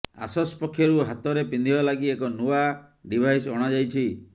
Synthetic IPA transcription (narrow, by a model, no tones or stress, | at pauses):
a̰sɔsɔpɔkʰːjɔɾuɦat̪ɔɾepind̪ʱibalaɡiekɔnua | ɖibʱajsɔɽ̃ad͡ʒajt͡ʃʰi